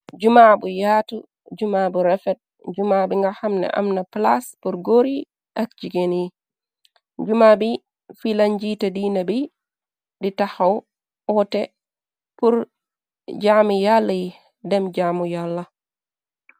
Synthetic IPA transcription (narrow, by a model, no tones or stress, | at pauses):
d͡ʒumabujaːtu | d͡ʒumabuɾɛfɛt̚ | d͡ʒumabiŋɡahamnɛ̰ʔa̰mnaplaspuɾɡoɾi | ʔak̚d͡ʒiɡeni | d͡ʒumabi | filaɲd͡ʒitadiːnabi | ditahaw | ʔɔtɛ | puɾ | d͡ʒamijalːaji | dɛmd͡ʒamujalːa